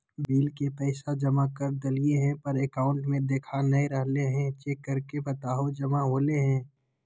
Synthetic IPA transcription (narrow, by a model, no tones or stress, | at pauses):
biːlkepɛɪsad͡ʒɐmakɐɾd̪ɐlieɦɛ̃pɐɾeːkaːʊ̃ɳʈmẽd̪eːkʰanɐĩɾɐɦleɦɛ̃t͡ʃeːkːɐɾkebɐt̪aːɦod͡ʒɐmaɦoːleɦɛ̃ː